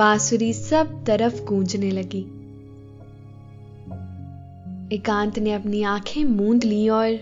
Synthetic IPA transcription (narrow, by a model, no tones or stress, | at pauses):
baːsʊɾisɐb̚t̪ɐɾəfɡʱũːd͡ʑnelɐɡiː | ɪkãːnt̪nẽɐpniãːkʰẽmũːnd̪lijoːɾ